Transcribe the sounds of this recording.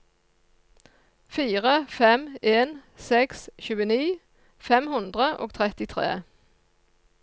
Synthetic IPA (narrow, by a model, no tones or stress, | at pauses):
fiːʁəfɛmeːnsɛksçʉːəniː | fɛmhʉnd̪ʁəʔo̰ːɡ̚t̪ʰʁɛt̪ɪt̪ʰʁḛː